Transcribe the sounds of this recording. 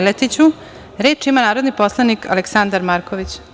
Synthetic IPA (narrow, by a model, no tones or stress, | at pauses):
let̪it͡ɕu | ɾe̞ːt͡ʃimanaːɾod̪nipo̞slˠanikʰa̰leksand̪aɾmaɾkoʋit͡ɕ